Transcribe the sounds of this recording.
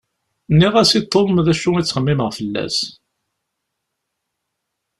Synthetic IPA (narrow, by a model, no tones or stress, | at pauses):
nːiʁæsit̪ˤːolmðæʃːuit͡sːχəmːiməʁfəlːæ̰s